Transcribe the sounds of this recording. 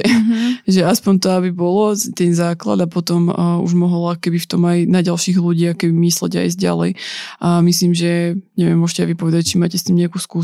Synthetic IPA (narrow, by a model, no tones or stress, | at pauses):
ʒɛaspɔɲt̪ɔabibɔlɔt̪ɛnzaːkla̰d̪apɔt̪ɔmṵʒmɔɦɔlakɔkɛbift̪ɔmajnaɟalʃiːɣluɟiːakɔkɛbimiːslɛ̰ɟa̰jzɟa̰lɛ̰jʔamisliːmʒɛɲɛʋɪɛ̰mʊɔʃcɛajʋipɔʋɛd̪act͡ʃimaːcɛst̪iːmɲɛakuskuː